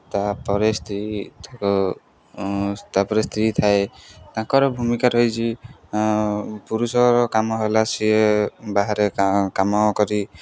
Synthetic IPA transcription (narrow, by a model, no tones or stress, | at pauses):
t̪apɔɾest̪ɾit̪ãkɔ | t̪apɔɾest̪ʰɾit̪ʰaet̪ãkɔɾɔbʱumikaɾɔjt͡ʃʰi | puɾusɔɾɔkamɔɦelasiebaɦaɾekamɔkɔɾi